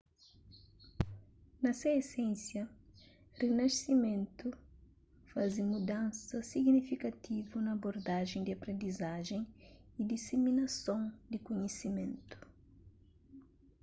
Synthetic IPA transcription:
nɐseesɛ̃nsjɐ | rinɐsimẽnt̪u | fazimud̪ãnsɐsiɡnifikɐt̪ivunɐːboɾd̪aʒẽj̃d̪iɐpɾẽnd̪izaʒẽŋid̪iseminɐsõŋd̪ikoɲesimẽnt̪u̥

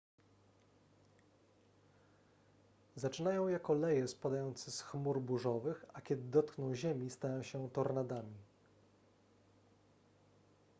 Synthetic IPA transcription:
zat͡ʂɘnajɔ̃w̃jakɔlɛjɛspad̪ajɔnt̪sɛsxmuɾbuʐɔvɘxakʲɛd̪ɘd̪ɔt̪knɔ̃w̃ʑemʲist̪ajɔ̃w̃ɕɛt̪ɔɾnad̪amʲi

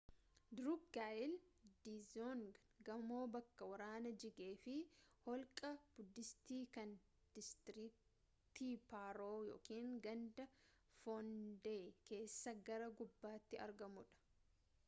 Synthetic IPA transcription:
d̪ɾʊkɡaːjɪld̪izoŋ | ɡɐmoːbɐkːɐwɐɾaːnɐd͡ʒɪɡeːfɪhɔlkʼɐb̥ʊd̪ːɪst̪iːkɐn | d̪̥ɪst̪ɪɾɪk̚ | t̪iːpaːɾoːjo̰ːkiːŋɡɐnd̪ɐ | fɔnd̪eːke̞ːsːɐɡɐɾɐɡʊbːaːt̪ːɪɐ̰ɾɡɐmʊᶑɐ̥

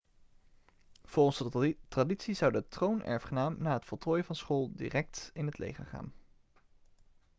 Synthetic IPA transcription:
v̥ʊɔnsətraditsizɑwdətrownɛ̰ɹfχənaːmnaːɦətfɔlˠtʰoːjəvɑnsχolˠdḭrɛk̚tɪnɦətlḛjχə̰ɹχa̰ːn

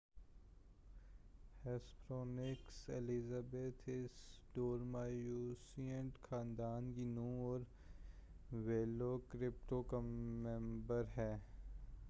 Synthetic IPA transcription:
hɛspʰɾoːnɪkselizabeːt̪ʰɪsɖoːɾmaːjuːsiə̃ɳʈxʰãːnd̪aːnkinũːɔːɾ | ʋeːlokɾɪp̚ʈokamɛ̃mbəɾɦɛː

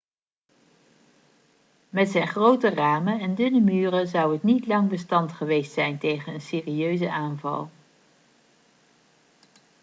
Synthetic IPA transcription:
mɛtsɛjnχrowtəraːmənɛndʏnəmyːrəzɑwɦətnitlɑŋbəstɑntχəʋejstsɛjntejχənənsɪːriøɥzəʔaːnvɑ̰lˠ

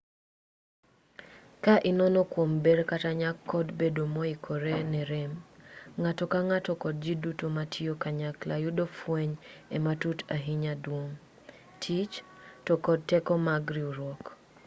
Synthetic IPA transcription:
kaʔɪnɔnɔkwombeɾkataɲakʰːɔdbedomɔikʰoɾenɛɾemŋatɔkaŋatɔkɔd̚d͡ʒidutomatʰiokaɲaklajʊdofwɛɲɛmatutaɦiɲadwoŋ | tʰit͡ʃ | tɔkɔd̚tɛkɔmaɡɾiuɾwɔk

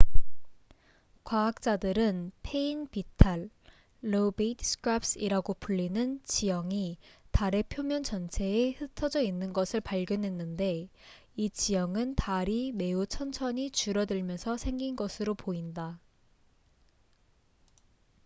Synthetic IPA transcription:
kwaak̚t͡ɕ͈adɯɾɯnpʰe̞inpitʰaɭː | obetʰskʰɾaps͈iɾaɡopʰuɭːinɯnt͡ɕijʌŋitaɾe̞pʰjomjʌnt͡ɕʌnt͡ɕʰe̞ːhɯtʰʌd͡ʑʌinːɯnɡʌsʰɯɭpaɭɡjʌnɦwe̞nːɯnde̞ | it͡ɕijʌŋɯntaɾime̞ut͡ɕʰʌnt͡ɕʰʌɲit͡ɕuɾʌdɯɭmjʌnsʰʌsʰe̞ŋɡinɡʌsʰɯɾopoinda

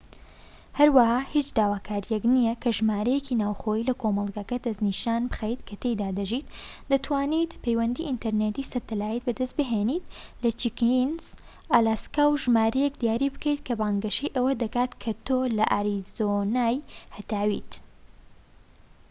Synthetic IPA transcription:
hɐɾwɐhaːhit͡ʃd̪aːwaːkʰaːɾijɛknijɐkʰɐʒmaːɾɐjecʰinaːwxoːilɐkʰomɐlˠɡɐkɐd̪ɐzniʃaːnbɨxejt̪kʰɐt̪ejd̪aːd̪ɐʒit̪d̪ɐt̪waːnit̪pejwɐnd̪iʔint̪ɐɾnet̪isɐɾt̪ɐlaːjit̪̚bɐd̪ɐst̪̚bɨɦenit̪lɐt͡ʃikinz | ʔaːlaːskaːwʒmaːɾɐjɛk̚d̪ijaːɾibɨkɐjt̪kʰɐbaːŋɡɐʃejʔɐwɐd̪ɐkaːt̪kʰɐt̪oːlɐʔaɾizonajhɐt̪aːwḭt̪

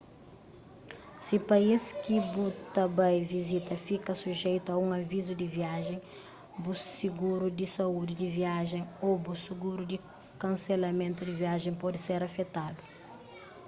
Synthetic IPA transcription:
sipɐiskibut̪ɐbãjvizit̪ɐfikɐsuʒejt̪uɐũŋɐvizud̪iviaʒẽ | busiɡuɾud̪isɐud̪id̪iviaʒẽj̃obusiɡuɾud̪i | kɐ̃nselɐmẽnt̪ud̪iviaʒẽpɔd̪iseɾɐfet̪ad̪u

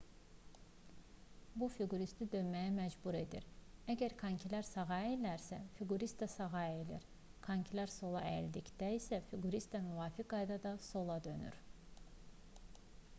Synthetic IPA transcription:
bufyɡuɾist̪id̪ønmæjæmæd͡ʒbuɾe̞d̪ḭɾæɟæɾkʰɑɲcʰilæɾsɑɣɑjelæɾsæfyɡuɾist̪d̪ɛsɑɣɑelḭɾ | kʰɑɲcʰilæɾso̞lˠɑʔɛ̰ld̪icd̪æisæfyɡuɾist̪væmyvaːfik̚ɡɑjd̪ɑd̪ɑso̞lˠɑd̪ø̞ny̰ɾ̥

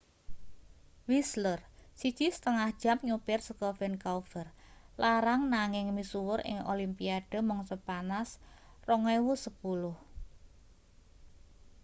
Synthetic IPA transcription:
wislərsi̥t͡ʃisə̥t̪əŋahd̥ʒ̥a̤mɲupɪrsəkɔfɛnkaufər | laɾaŋnaŋɪŋmisuwʊɾʔɪ̰ŋʔo̰limpiaɖ̥ə̤mɔŋsəpanas | rɔŋɛwusəpulʊh

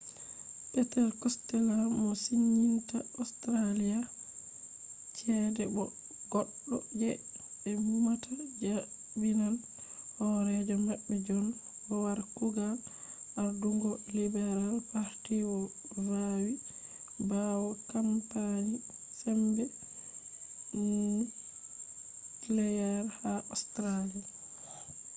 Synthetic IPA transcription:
pɛtɛlkɔstɛlamɔsiɲːintaɔstɾalija | t͡ʃɛdɛbɔ | ɡɔɗːɔd͡ʒɛɛbumatʰad͡ʒa | binan | hɔɾɛd͡ʒɔmaɓːɛd͡ʒɔnbɔwaɾkuɡa | ʔaɾduŋɡɔlibɛɾalpaɾtiwɔ | ɾawi | bawɔkampaɲi | sɛmbɛ | lɛjaɾhaʔɔstɾalia

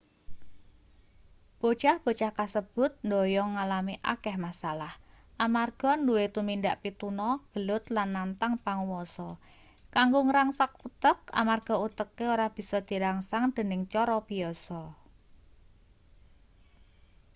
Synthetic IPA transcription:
b̥o̤t͡ʃahb̥o̤t͡ʃahkasəb̥ʊ̤t̪̚ndojɔŋːalamiʔa̰kɛhmasalah | ʔamarɡ̥ɔ̤nduwet̪umindaʔpit̪unɔɡ̥əlʊt̪lanːant̪aŋpaŋwɔsɔ | kaŋɡoŋɾaŋsakut̪əka̰marɡ̥ɔ̤ut̪əkːeoɾahb̥i̤sɔd̪̥i̤ɾaŋsaŋd̪̥ə̤nɪŋt͡ʃɔɾɔb̥iɔsɔ

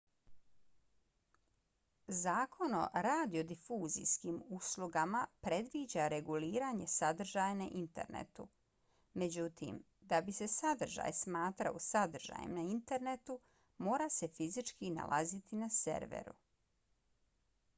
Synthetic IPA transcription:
zaːkʰo̞no̰ɾaːd̪io̞d̪ifuːzḭskimuslˠuɡamapɾe̞d̪ʋiːd͡ʑaɾe̞ɡuliːɾaɲe̞sad̪r̩ʒaːjnaʔint̪e̞̰ɾnḛt̪ṵ | me̞d͡ʑut̪ḭm | d̪abise̞sad̪r̩ʒa̰ːjsmaːt̪ɾa̰osad̪r̩ʒa̰ːjḭmnaint̪e̞ɾnet̪u | mo̞ːɾase̞fizit͡ʃkina̰lˠʔa̰zit̪inasḛɾʋḛɾṵ

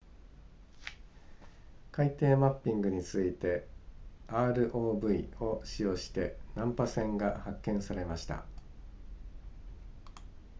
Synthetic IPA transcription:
kait̪e̞ːmapʲːĩŋɡɯ̟ɲ̟it͡sɨit̪e̞ | aːɾɯ̟ʔo̞ːbɯ̟io̞ɕijo̞ːɕi̥t̪e̞nãmpasẽ̞ŋɡahakːẽ̞ɰ̃saɾe̞maɕi̥t̪a̰

